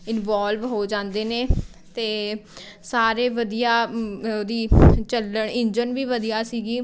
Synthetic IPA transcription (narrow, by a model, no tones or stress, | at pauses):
ɪnʋaːlʋɦoːd͡ʒãːnd̪eːneː | t̪eː | saːɾeːʋəd̪ijaːod̪iːt͡ʃələɳɪnd͡ʒənʋiːʋəd̪ijaːsiːɡiː